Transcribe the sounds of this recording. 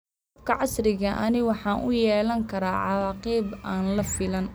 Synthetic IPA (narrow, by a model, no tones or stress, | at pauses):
bkʰɐʕɑsrɪɣɐʔɐnɪwɑħɑːnʔʊjɛːlɐŋkʰɐɾaːʕɑwɑːqiːbʔaːnlɐfɪlɐn